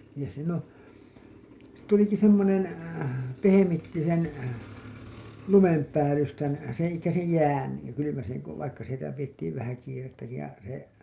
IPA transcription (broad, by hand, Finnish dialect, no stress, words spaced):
niːn siːn õː tuliki semːonen pehemitːi sen lumempæːlystæn sẽː elikːæ sej jæːn jɑ kylymæseŋ ko ʋɑikːɑ sitæ pijetːiːʋ ʋæhæ kiːretːæki jɑ se